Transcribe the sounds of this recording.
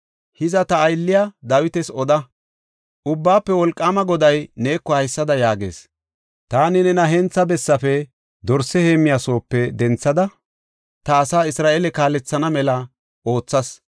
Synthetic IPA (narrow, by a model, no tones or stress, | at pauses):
hɪzɐt̪ɐːjlːɪjad̪aːwɪt̪ɛsɔd̪ɐ | ʔʊbːaːpːɛwɔlkʼːaːmɐɡɔd̪ɐjne̞ːkːɔhɐjsːɐd̪ɐjaːɡe̞̰ːs | t̪aːnɪnɛnɐɦɛnt͡sːɐbɛsːɐfɛ | d̪ɔɾsɛhe̞ːmɪjaːso̞ːpːɛd̪ɛnt͡sːɐd̪ɐ | t̪ɐːsaːɪsɾaːʔeːlɛkaːlɛt͡sːɐnɐmɛlɐ | ʔo̞ːt͡sːɐs